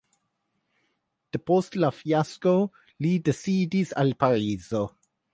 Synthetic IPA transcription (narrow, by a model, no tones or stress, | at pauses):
d̪̥əpostlafiasko | lidesiːdisalpaɾiːzo